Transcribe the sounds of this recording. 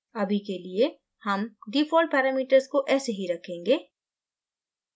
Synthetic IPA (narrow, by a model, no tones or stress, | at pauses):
ɐbʱikelie | hɐmɖiːfʰoːlʈ̚pɛːɾaːmiːʈəɾskoʔɛːseɦiɾɐkʰẽːŋɡeː